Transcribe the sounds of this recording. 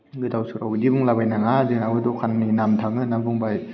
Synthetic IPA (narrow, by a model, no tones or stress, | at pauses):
ɡɯt̪awsɯɾawidibuŋlabajnaŋazinawɯdokʰanːinamt̪ʰaŋɯnabuŋbaj